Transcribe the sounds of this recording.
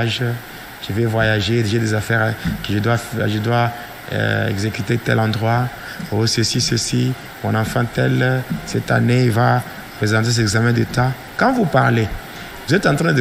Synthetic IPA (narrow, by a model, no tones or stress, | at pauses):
ʒ | ʒ̥əvɛvwajaʒed̪eʒed̪ezafɛʁkəʒəd̪wafʒəd̪wa̰ | ɛ̰ɡzekyt̪et̪ɛ̰lɑ̃d̪ʁwa | osəsisəsi | mɔ̃nɑ̃fɑ̃t̪ɛlsɛt̪a̰neilva | pχezɑ̃t̪es̬ɛɛɡzamɛ̃d̪ət̪ã | kãvupaʁle | vuzɛt̪ɑ̃t̪ʁɛ̃d̪